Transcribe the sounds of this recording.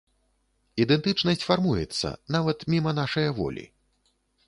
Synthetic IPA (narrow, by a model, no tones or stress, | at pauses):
id̪ɛnt̪ɨt͡ʂnɐsʲt͡sʲfarmujɛ̰t̪sːɐ̰navɐt̪mʲimɐnaʂɐjɐvɔ̰lʲḭ